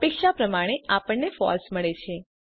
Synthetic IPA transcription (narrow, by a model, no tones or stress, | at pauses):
pekʃapɾəmaɽ̃eapəɳnefɔ̰lsməɭet͡ʃʰe